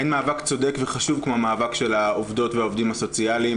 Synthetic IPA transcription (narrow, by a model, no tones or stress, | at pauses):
enmaːvakt͡so̞de̞kveχaʃuvkmoamaːvakʃe̞laovdo̞tveaovdimaso̞t͡sialim